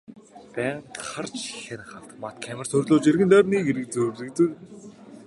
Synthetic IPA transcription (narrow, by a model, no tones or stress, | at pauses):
pæːɴχart͡ɕxĕnχaɮt̪əmat̪̚kʰæmɪ̆r̥t̪ʰɵrɮʊːt͡ɕerɣɘ̆nt̪œːrniːɡeɾɘ̆k̚t͡sɵrt̪ɘ̆kt̪ɘ̆k̚